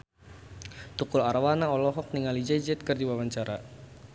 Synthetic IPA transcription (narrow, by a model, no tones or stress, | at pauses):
t̪ukʊlaɾawanaɔlɔɦɔk̚niŋalid͡ʒad͡ʒɛt̪̚kərdiwawaɲt͡ʃaɾa